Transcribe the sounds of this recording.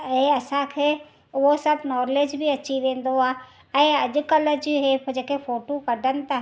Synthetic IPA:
ẽɐsãkʰeː | ɦosɐbnɔːɾleːd͡ʒbʱiɐt͡ʃiʋẽːn̆d̪oaː | ɛ̃ɐd͡ʒʊkələd͡ʒiɦed͡ʒeːkepʰoːʈokɐɖʱənɪ̆t̪ː

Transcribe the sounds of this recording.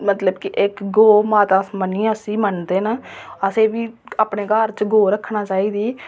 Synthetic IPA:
mət̪ləbkɪʔɪkɡoːmaːt̪ãːsmənĩːəsiːmənd̪eːnəəseːʋiːaːpɳeːɡəɾt͡ʃɡoːɾəkʰːnaːt͡ʃaːiːd̪iː

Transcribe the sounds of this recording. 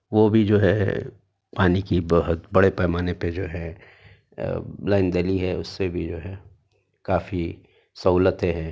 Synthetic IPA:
ʋobʱid͡ʒoːɦɛ̰ | paːnikibəɦʊt̪bɐɽepɛːmaːneped͡ʒoːɦɛ̃ | laːɪnd̪əliɦɛʊsːebʱid͡ʒoːɦɛ | kaːfi | sɐuːlət̪eɦɛ̃ː

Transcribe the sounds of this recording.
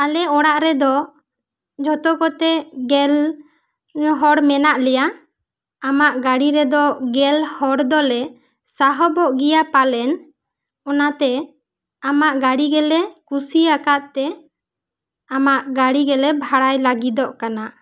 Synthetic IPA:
alɛɔɽaʔɾɛd̪ɔ | d͡ʒʱɔt̪ɔkɔt̪ɛɡɛl | ɦɔɽmɛnaʔlɛja | amaʔɡaɽiɾɛd̪ɔɡɛlhɔɽd̪ɔlɛ | saɦɔbɔʔɡijapalɛn | ɔnat̪ɛ | amaʔɡaɽiɡɛlɛkusiakaʔt̪ɛ | amaʔɡaɽiɡɛlɛbʱaɽajlaɡid̪ɔʔkanaʔ

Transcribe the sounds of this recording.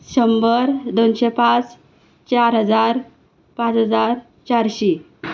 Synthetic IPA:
ɕəmbəɾd̪onɕepãt͡s | t͡ɕaɾɦəd͡zaɾ | pãt͡sɦəd͡zaɾ | t͡ɕaɾɕi

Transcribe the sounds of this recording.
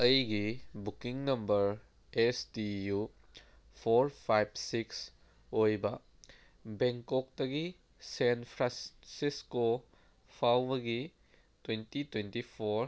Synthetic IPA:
ɐjɡibukiŋnɐmbɐɾ | esdiju | pʰoɾpʰajbsiks | ojbɐ | beŋkok̚dɐɡi | senpʰɾasisko | pʰawbɐɡi | twentitwentipʰoɾ

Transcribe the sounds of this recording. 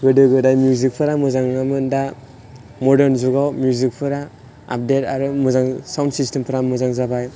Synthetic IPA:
ɡɯdɯɡɯdajmjuzik̚pʰɯɾamɯzaŋnamɯnda | mɔdeɾnzuɡawmjuzik̚pʰɯɾa | a̰p̚detaɾumɔzaŋsawndsistempʰɯɾamɯzaŋzabaj

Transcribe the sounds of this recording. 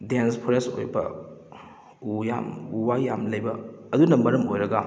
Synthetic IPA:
denspʰoɾeso̰jbɐ̰ | uja̰muwajamlɐjbɐːdunɐmɐɾɐmojɾɐɡɐ

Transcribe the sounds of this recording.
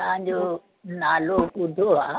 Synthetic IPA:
ɐ̃ɦãɲd͡ʑoː | naːloːʊd̪ʱoaː

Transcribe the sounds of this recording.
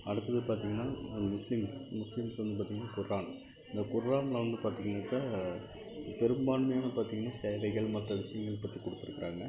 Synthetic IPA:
ɐɽɯt̪ːɐðɯpaːɾt̪̬iːŋɡɐnːaːmʊslɪmsmʊslɪmsʋɐnd̪ɯp̬aːt̪iːŋɡɐnːaːkʊɾaːn | ɪnd̪ɐkʊɾɾaːnɐlɐʋɐnd̪ɯpaːɾt̪iːŋɡɐnaːkːaː | pɛɾɯmbaːnmɐjaːnɐpaːɾt̪iːŋɡɐnːaːsɛjʋɐɪɣɐɭmɐʈrɐʋɪʂɐjɐŋɡɐɭɛpːɐt̪ːikɔɽɯt̪ːɪɾɯkːɪɾaːŋɡɐ

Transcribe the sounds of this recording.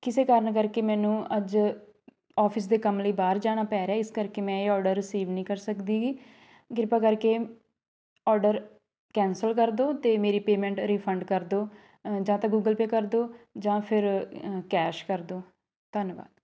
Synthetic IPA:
kɪseːkaːɾəɳkəɾkeːmɛ̃ːnũːəd͡ʒ | ɔːpʰɪs̬d̪eːkəmləiːbaːɾd͡ʒaːɽ̃aːpɛːɾɛːɪskəɾkeːmɛ̃ːɔːɾɖəɾɪsiːʋnĩːkəɾsəkd̪iːɡiː | ɡɪɾɪpaːkəɾkeː | ɔːɾɖəɾ | kɛ̃ːnsəlkəɾd̪oːt̪eːmeːɾiːpeːmɛ̃ːɳʈɾiːpʰəɳɖkəɾd̪oː | d͡ʒãːt̪ãːɡuːɡəlpeːkəɾd̪oːd͡ʒãːpʰɪɾkɛːʃkəɾd̪oː | t̪ənba̰ːd̪

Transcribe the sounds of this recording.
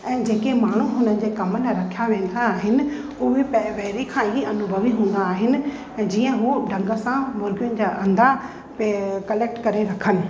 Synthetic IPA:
ɛ̃ːd͡ʑeːkemaːɽ̤uɦʊnənɪ̆d͡ʑeːkɐməlɾɐkʰjaʋẽːn̆d̪aːɦɪnɪ̆ | ʊɦepʋɛɦɾikʰãːɦiɐnʊbʱəʋiɦũːn̆d̪aːɦɪnɪ̆̃ | d͡ʑiːə̃ɦuɖʱɐ̃ŋɡə̆sãmʊːɾɡijʊnɪ̆d͡ʑaːʔɐ̃nd̪a | pkɐleːk̚ʈkɐɾeɾɐkʰənɪ̆

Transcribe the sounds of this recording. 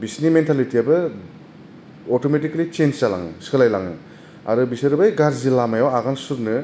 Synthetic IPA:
bisnimentʰalitiabɐ | otometiklit͡ʃend͡ʒtala̰ŋɯ̰skʰɯlajlaŋɯ | a̰ɾubisɯɾɯbajɡaɾzilamajawaɡansuɾnɯ

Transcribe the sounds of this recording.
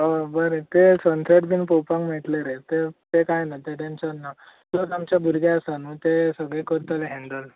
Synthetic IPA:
ɦəbəɾet̪esənseʈbʱinpowpãŋkmɛʈleɾet̪et̪ekajnat̪eʈenɕənːa | t̪ot̪amt͡ɕjabʱuɾɡaəst̪anuːt̪esəɡɭẽkəɾt̪əleɦẽɳɖəl

